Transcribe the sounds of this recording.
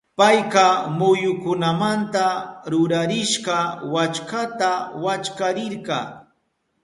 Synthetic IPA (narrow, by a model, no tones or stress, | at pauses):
pajqɑmʊjʊkʊnamant̪aɾʊɾaɾɪʃɢɑwat͡ʃkat̪awat͡ʃkaɾɪɾɢɑː